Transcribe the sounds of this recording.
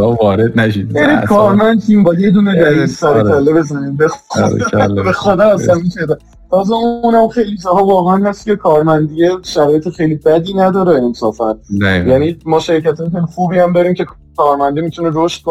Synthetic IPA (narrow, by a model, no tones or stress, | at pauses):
ɒvɒːɾed̪̚næʃijænikʰɒːɾmænd̪̚t̪ʰimbɒːjjed̪uneɾæɾissæɾeælːebe̞zænimbexɾ̰bexod̪ææsæmiʃæɾd̪æ | t̪ʰɒːzɛunæmxe̞jlid͡ʒɒːhɒːvɒːɣeænhæst̪cʰekʰɒːɾmænd̪ijeʃæɾɒːjet̪ʰexejlibæd̪iːnæd̪ɒːɾeensɒːfænjænimɒːʃeɾicæt̪ʰɒːjexejlixuːbihæmd̪ɒːɾiːmcʰe̞ | kʰɒːɾmænd̪imit̪ʰuneɾoʃt̪̚kʰo